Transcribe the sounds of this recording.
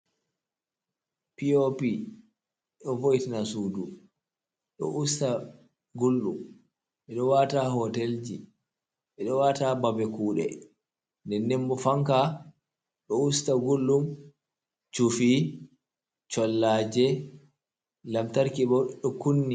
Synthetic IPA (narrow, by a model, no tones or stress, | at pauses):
piopi | ɗɔvojtanasuːdu | ɗɔ̰ʔusta | ɡulːum | ɓɛɗɔwatahɔtɛld͡ʒi | ɓɛɗɔwatababɛkuːɗɛ̰ | ndɛnːɛmbɔfaŋka | ɗɔustaɡulːum | t͡ʃufi | t͡ʃɔlːaːd͡ʒɛ | lamtaɾkiɓɔɗɔkunːi